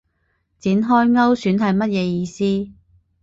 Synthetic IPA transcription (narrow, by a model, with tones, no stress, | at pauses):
t͡siː˨˥nɦɔː˥jŋɐ˥wsyː˨˥nɦɐ˨jmɐ˥t̚jɛː˨˧jiː˧siː˥